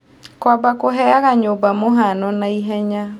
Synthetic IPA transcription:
kwabakoɦɛaɣaɲobamoɦanɔnaiɦɛɲa

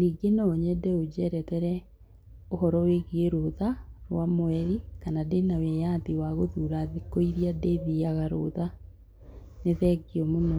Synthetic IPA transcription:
niɡenɔɲɛdɛod͡ʒɛɾɛtɛɾɛ | ohɔɾɔweɣieɾoðaɾwamoɛɾikanadenawɛjatiwaɣoðuɾaðikoiɾiadɛðiaɣaɾo̰ða | neðɛɡiɔmono

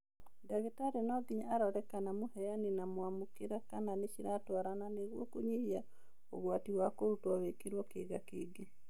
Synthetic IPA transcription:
daɣetaɾenɔɡiɲaɾɔɾɛkanamohɛjanenamowamukeɾakananeʃiɾatwaɾananeɣwɔ̰koɲihia | o̰ɣwatiwakoɾutwaβekeɾwɔkeɣakeːɡe

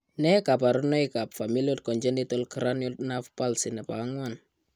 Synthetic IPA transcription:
nɛkap̬aɾunɔjkapfamiliot̚kɔɲd͡ʒɛnitɔlkɾanɔtnafpalsinɛpa̰ŋwan

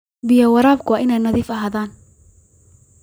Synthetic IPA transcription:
bɪjɐwɐɾaːb̚kʰʊwɑːʔɪnɛjnɐðiːfɐɦaːðaːn

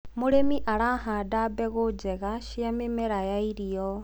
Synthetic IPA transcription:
muɾemiʔaɾaɦaːdabeɣud͡ʒeɣaʃijamemeɾajaiɾijo

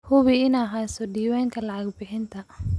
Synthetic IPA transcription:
hʊβɪɪnːɦaːsɔɖiːwɛːŋkʰɐlɑʕɑɡbɪħɪnt̪ʰɐ

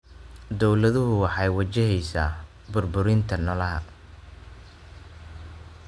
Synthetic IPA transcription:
d̪ɔwlɐðʊɦʊwɑħɑjwɐt͡ʃɪɦɛjsaː | bʊrbʊɾɪnt̪ʰɐnɐlɐɦɐ̰

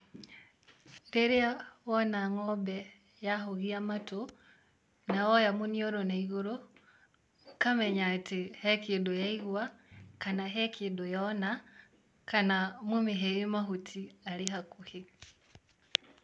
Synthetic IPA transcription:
ndeɾiawonaŋobe | jahoɣiamato | nawojamunioɾonaiɣuɾo | kameɲatihekidujaiɣwwakanaɦekidojona | kanamumiɦejimaɦutialiɦakuhi

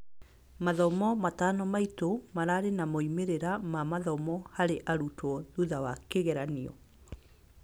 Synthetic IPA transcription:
maðɔmɔmatanɔmaitomaɾaːɾenamɔimeɾeɾamamaðɔmɔhaɾeʔaɾutwɔðuðawakeɣɛɾaniɔ̰

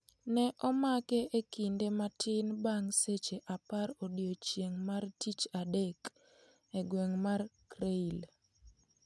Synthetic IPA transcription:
nɛʔɔmakɛʔekindematʰɪnbaŋset͡ʃeʔapaɾodjot͡ʃjeŋmartit͡ʃadek | eɡwɛŋmarkɾeil

